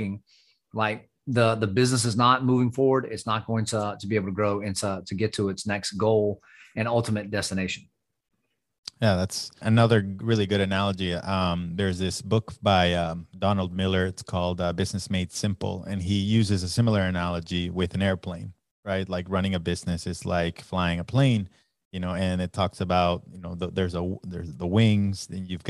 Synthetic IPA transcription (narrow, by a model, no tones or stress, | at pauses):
ɪ̃ŋ | laɪk̚ | ðəðɨbɪznəs̬ɨznət̚muvɪ̃ŋfɔɹwə˞ɾɪtsnət̚ɡ̥oʊɪ̃ŋtʰətʰəbieɪbl̩ˠtʰəɡɹoʊɪ̃ntʰətʰɨɡɛtʰəɨtsnɛksɡ̥oʊlˠ | ɨ̃nʌlˠtəmɨt̚d̥ɛstɨneɪʃɨ̃n̩ | jæðætsɨnʌðə˞ɹɪlˠiɡʊɾɨnælˠəd͡ʒiʌ̃mðə˞zðɪsb̥ʊkb̥aɪʌdɑnl̩ˠd̚mɪlˠə˞ɨtskʰɔlˠdʌbɪznɨsmeɪtsɪ̃mpl̩ˠɨ̰̃nijʉzɨzɨsɪ̃ml̩ˠə˞ɨnælˠəd͡ʒiwɪðɨ̃nɛɹpʰl̥ẽɪ̃n | ɹaɪt̚ˡlaɪkɹʌñɪ̃ŋɨbɪznɨsɨtsla̰ɪkflaɪɪ̃ŋəpʰl̥ẽɪ̃n | jɨnoʊɨ̃nɨtʰɔksɨbaʊt̚jɨnoʊðəðə˞zəðə̰˞zðəwɪ̃ŋz̥ɨ̃njʉvɡ